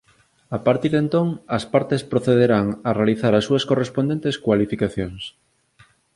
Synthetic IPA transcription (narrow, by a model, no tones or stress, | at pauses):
apaɾt̪iɾðent̪oŋɐspaɾt̪espɾoθeðeɾaŋarealiθaɾɐsːuɐskorespond̪ent̪eskwalifikaθjoŋs